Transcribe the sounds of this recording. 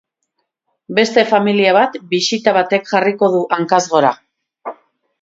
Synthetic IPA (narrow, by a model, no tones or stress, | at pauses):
be̞st̪e̞familiaβ̞at̪bisit̪aβ̞at̪e̞kxariko̞ðuʔaŋkazɣo̞ɾa